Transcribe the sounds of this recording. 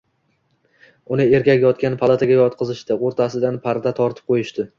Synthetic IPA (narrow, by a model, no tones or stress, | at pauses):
ʊnɪe̞ɾkʲakʲjɒt̪̚kʲanpʰalˠat̪ʰaɡʲajɒt̪̚qʰɨzɪʃt̪ɪoɾt̪ʰasɪd̪anpʰaɾd̪at̪ʰɒɾt̪ʰɪ̥p̚qʰojɪʃt̪ɪ